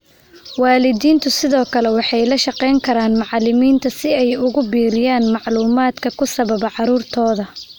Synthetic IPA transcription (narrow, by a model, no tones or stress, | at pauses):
waːlɪðiːnt̪ʰʊsɪðɔːkʰɐlɛwɑħɑjlɐʃɑqɛjŋkʰɐɾaːnmɑʕlɪmiːnt̪ʰɐsɪɛjʊɣʊbiːɾɪjaːnmɑʕluːmaːd̪kʰɐkʰʊsɐβɐβɐʕɑɾuːrt̪ʰɔːðɐ